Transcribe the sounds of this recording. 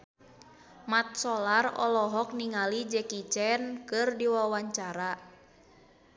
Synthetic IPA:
mat̪̚sɔlarɔ̰lɔɦɔk̚niŋalid͡ʒɛkit͡ʃɛnkɨrdiwawaɲt͡ʃaɾa

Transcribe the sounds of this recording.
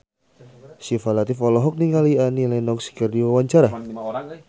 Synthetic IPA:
sifalat̪ɪfɔlɔɦɔk̚niŋalianilɛnɔksi̥kərdiwawaɲt͡ʃaɾa

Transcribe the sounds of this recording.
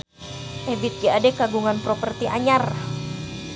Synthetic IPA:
ʔɛbit̪̚d͡ʒaadɛkaɡuŋanpɾopərt̪iʔaɲar

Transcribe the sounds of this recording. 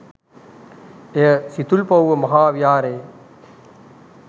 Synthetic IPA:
esit̪ulpɐwʋɐmɐɦaːʋjaːɾeː

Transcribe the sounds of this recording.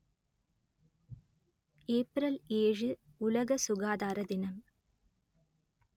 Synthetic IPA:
eːprɐleːɻɨ | ulɐɡɐsuɡaːd̪aːɾɐd̪inɐm

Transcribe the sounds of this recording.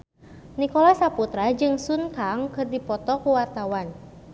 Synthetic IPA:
nikɔlasaput̪ɾad͡ʒɨŋsunkaŋkɨrdipɔt̪ɔkuwart̪awan

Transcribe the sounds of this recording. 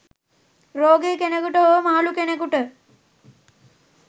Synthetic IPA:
ɾoːɡekenekuʈəoʋəmaːlukenekuʈə

